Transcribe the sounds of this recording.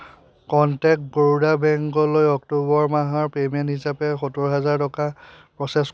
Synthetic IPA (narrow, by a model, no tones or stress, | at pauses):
kɔntɛk̚t̚ɡoɹudabɛŋkɔlojɔktobɔɹmaɦaɹpemɛnthisapɛxotuɹɦazaɹtɔkapɹɔsɛs